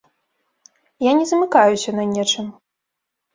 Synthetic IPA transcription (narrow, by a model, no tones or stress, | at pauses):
janʲɛzɐmɨkajusʲɐnɐnʲɛt͡ʂɨm